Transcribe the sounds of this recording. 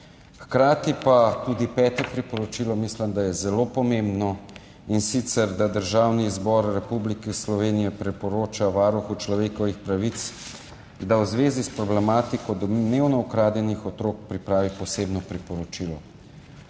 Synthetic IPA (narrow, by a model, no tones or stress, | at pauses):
xkɾaːt̪ipat̪uːd̪ipɛːt̪ɛpɾipɔɾɔt͡ʃilɔmislɛmd̪ajɛzɛlopɔmẽmbnɔ | insit̪sɛɾd̪ad̪əɾʒaːwnizbɔɾɾɛpublikislɔʋeːnijɛpɾɛpɔɾoːt͡ʃaʋaːɾuxut͡ʃlɔʋeːkɔʋixpɾaʋit̪s | d̪awzʋeːzispɾɔblɛmaːt̪ikɔd̪ɔd̪neːwnɔukɾaːd̪jɛnixɔt̪ɾoːk̚pɾipɾaːʋipɔseːbnɔpɾipɔɾɔt͡ʃilɔ